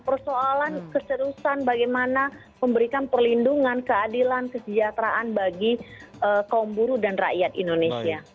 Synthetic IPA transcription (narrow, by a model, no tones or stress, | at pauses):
pərsoalankəsəɾusanbaɡajmana | məmbəɾikanpərlinduŋankəadilankəsəd͡ʒat̪ɾaʔanbaɡiʔəkaumbuɾudanra̰ʔjat̪indonesia